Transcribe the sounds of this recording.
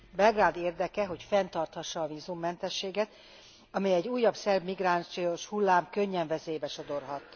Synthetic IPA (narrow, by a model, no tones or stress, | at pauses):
bɛlɡraːd̪eːrd̪ɛkɛɦo̞cfɛnt̪ɒrt̪hɒʃːɒːvizumːɛnt̪ɛʃːeːɡɛt̪ | ɒmɛjɛɟːuːjːɒbsɛrbmiɡraːnt͡ʃijoʃhulːaːmkø̞ɲːɛɱvɛzeːjbɛʃo̞d̪o̞rɦɒt̪